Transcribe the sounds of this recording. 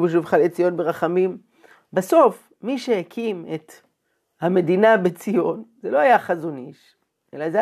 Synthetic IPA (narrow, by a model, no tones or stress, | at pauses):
beʃ̬uvχalet͡sijo̞nbeʁaχamim | baso̞f | miʃehekʰimet̪ | hame̞dinabet͡sijo̞nzelo̞ajaχazoniʃ | ʔḛlaze